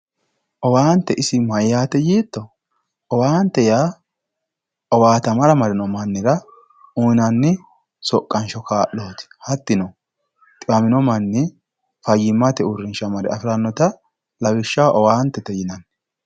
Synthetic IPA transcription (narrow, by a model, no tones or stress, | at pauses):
ʔɔwaːnt̪ːɛʔɪsɪmɐjaːt̪ɛjiːt̪ːɔ | ʔɔwaːnt̪ːɛjaː | ʔɔwaːt̪ɐmɐɾɐmɐɾɪnɔmɐnːɪɾɐ | unɐnːɪ | sɔkʼːɐnʃɔkaːʔːoːt̪ɪ̥hɐt̪ːɪnɔ | t̪ʼɪɐmɪnɔmɐnːɪ | fɐjɪmːɐt̪ɛʊɾːɪnʃɐmɐɾɛ̰ɐfɪɾanːɔt̪ɐ | lɐbɪʃːɐwʔɔwaːnt̪ːɛt̪ɛjɪnɐn